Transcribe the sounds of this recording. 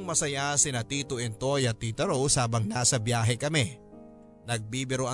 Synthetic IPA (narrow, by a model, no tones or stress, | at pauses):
ŋmɐsɐjasɪnɐt̪iːt̪oʔɛnt̪o̞jɐt̪iːt̪ɐɾowsaːbɐŋnaːsɐbjaːɦɛkɐmɛ | nɐɡ̚biːbɪɾoɐ